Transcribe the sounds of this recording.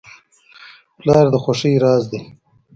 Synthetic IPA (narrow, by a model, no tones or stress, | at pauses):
plɑːɾd̪əxoʂiɾɑːzd̪i